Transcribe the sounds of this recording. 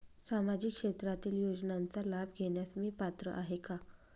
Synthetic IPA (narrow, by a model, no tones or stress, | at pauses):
samad͡ʑikʂet̪ɾat̪iːljod͡znant͡salabʱɡʱeɳjasmiːpat̪ɾə̰ʔaɦeka